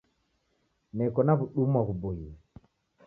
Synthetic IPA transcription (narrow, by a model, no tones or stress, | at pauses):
nɛkɔnaβuɗumwaɣubuji